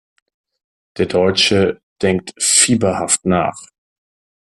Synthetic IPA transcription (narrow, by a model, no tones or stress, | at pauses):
d̥eːɐdɔʏt͡ʃəd̥ɛŋk̚tfiːbɐhaftna̰ːχ